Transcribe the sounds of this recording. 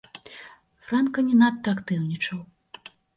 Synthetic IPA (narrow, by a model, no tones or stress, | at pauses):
fɾankɐnʲɛnat̪ːɐakt̪ɨwnʲit͡ʂɐw